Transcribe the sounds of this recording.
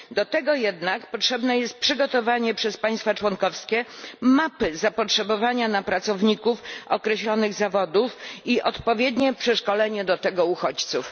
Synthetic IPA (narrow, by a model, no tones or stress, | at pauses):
d̪ɔt̪ɛɡɔjɛd̪nakpɔtʂɛbnɛjɛst̪̚pʂɘɡɔt̪ɔvaɲɛpʂɛspãj̃st̪fat͡ʂwɔŋkɔfskʲɛmapɘzapɔtʂɛbɔvaɲanapɾat̪sɔvɲikufɔkɾɛɕlɔnɘɣzavɔd̪ufiʔɔt̪pɔvʲjɛd̪ɲɛpʂɛʂkɔlɛɲɛd̪ɔt̪ɛɡɔuxɔt͡ɕt̪suf